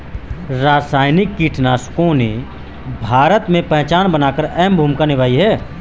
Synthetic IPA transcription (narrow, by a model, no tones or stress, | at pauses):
ɾaːsaːɪnɪkːiːʈʰnaːskõne | bʱaːɾət̪mẽpɛ̃ɦt͡ʃaːnbənaːkəɾɛːmbʱuːmkanɪʋaːiɦɛː